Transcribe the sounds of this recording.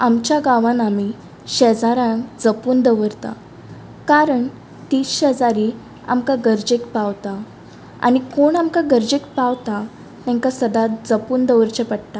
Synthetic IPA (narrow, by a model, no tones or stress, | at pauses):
amt͡ɕjaɡaʋãnami | ɕɛd͡zaɾãkd͡zəpuːnd̪əʋəɾt̪a̰ | kaɾəɳ | t̪iːsɕəd͡zaɾi | a̰mkaɡəɾd͡ʑekpaʋt̪a | a̰nikoɳamkaɡəɾd͡ʑekpaʋt̪a | t̪ɛ̃ŋkasəd̪ad͡zəpuːnd̪əʋəɾt͡ɕəpəɽt̪a